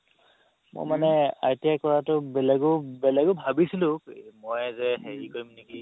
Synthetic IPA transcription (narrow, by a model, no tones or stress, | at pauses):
mo̰jmanɛa̰jtijakɔɹatʊbɛlɛɡʊbɛlɛɡobʱabisilʊ̃mojzɛɦeɹikoɹimneki